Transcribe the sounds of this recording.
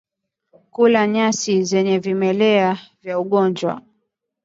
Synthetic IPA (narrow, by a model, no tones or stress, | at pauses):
kulaɲasizɛɲɛvimɛlɛavjauɠɔnd͡ʒwa̰